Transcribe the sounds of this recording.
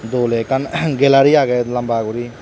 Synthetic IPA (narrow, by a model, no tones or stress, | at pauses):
d̪oːleːkənɡelaːɾiːaːɡeləmbaːkuɾiː